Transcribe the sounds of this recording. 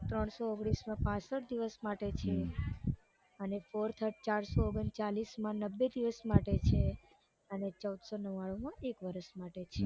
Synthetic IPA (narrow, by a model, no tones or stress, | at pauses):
t̪ɾəɳsooɡɽ̃ismãpãsəʈ̚d̪iʋəsmaʈet͡ʃʰe | ənefoɾt̪ʰəɾʈt͡ʃaɾsooɡənt͡ʃalismãnəbːed̪iʋəsmaʈet͡ʃʰe | ənet͡ʃəud̪sonəʋaɭomãʔekʋəɾəʃmaʈet͡ʃʰe